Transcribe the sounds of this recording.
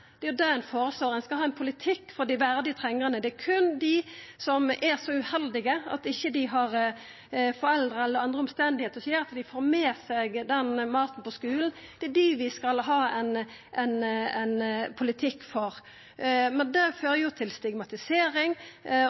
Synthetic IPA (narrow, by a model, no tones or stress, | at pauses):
d̪̥ɛjʊd̪ɑɛnfoːɾəsloːɾɛnskɑlhɑːɛnpʰʊlɪt̪ʰɪkːfɔɾd̪ɪʋæɾd̪ɪət̪ʰɾɛŋːəʁənəd̪ɛæɾkʰʉnd̪ɪsɔmʔæʁsɔʉhɛld̪ɪɡəɑ̰t̪ɪçːəd̪ɪɦɑɾ | fɔɾɛld̪ɾəɛlːəɾɑnd̪ɾəɔmst̪ɛnd̪ɪheːt̪əɾɔsjeːɾɑt̪d̪ɪfoːɾmeːsɛɡd̪ɛnmɑːt̪n̩pɔskʉːln̩d̪̥ɛæd̪ɪʋɪskɑlɦɑːɛn | ʔɛnɛnpʰʊlɪt̪ʰɪkːfɔɾ | mɛnd̪ɛføːɾəjʊt̪ʰɪlst̪ɪɡmɑt̪ɪseːɾɪŋ